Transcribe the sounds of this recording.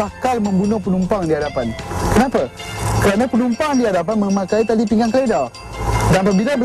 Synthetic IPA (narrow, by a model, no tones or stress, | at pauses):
akalmə̃mbunohpənumpaŋdiɦadapankənapakəɾanapənumpaŋdiɦadap̬anməmakait̪adipiŋɡaŋkəleda | danapabilabə